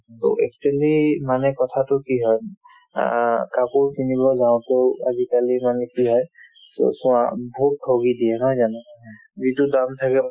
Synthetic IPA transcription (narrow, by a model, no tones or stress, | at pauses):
t̪o̰ɛk̚t͡ʃualimanɛkɔt̪ʰat̪ʊkiɦɔj | kapuɹkʰinibɔd͡ʒaw̃t̪ea̰ɡikalimanɛkiɦɔj | t̪o̰sũã̰bʱut̚ʰːoɡid̪iɛɦɔjd͡ʒanɔ̃ | d͡ʒit̪udamt̪ʰakɛ